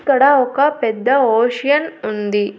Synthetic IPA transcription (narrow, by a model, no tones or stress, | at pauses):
kɐɽɐɔkɐpɛd̪ːɐoːʃijɐnund̪i